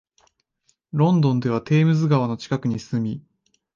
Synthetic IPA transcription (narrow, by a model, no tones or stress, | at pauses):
ɾõ̞nd̪õ̞nd̪e̞β̞at̪e̞ːmɯ̟zɨɡaβano̞t͡ɕi̥kakɯ̟ɲ̟isɨ̥sɨmʲi